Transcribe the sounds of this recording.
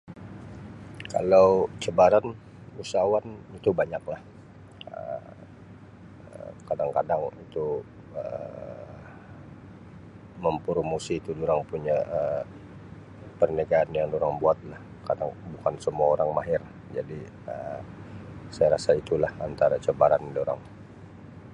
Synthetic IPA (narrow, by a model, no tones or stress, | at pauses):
ka̰lawt͡ʃəbaɾan | usawanit̪ubaɲak̚lah | ə | əkadaŋkadaŋit̪u | ə | məmpɾomosiːt̪udoɾaŋpuɲaʔə | pərnəɡaːnjaŋdoɾaŋbuat̪̚lah | kadaŋbukansəmuaoɾaŋmaɦɪr | d͡ʒadi | ə | sajaɾasait̪ulahant̪aɾat͡ʃəbaɾandoɾa̰ŋ